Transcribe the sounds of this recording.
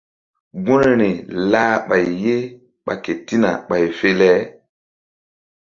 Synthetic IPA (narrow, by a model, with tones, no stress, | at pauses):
ɡũ˦ne˨ni˨laː˦ɓa˨jje˦ | ɓa̰˨ke˨ti˦na̰˨ɓa˨jfe˦lɛ˦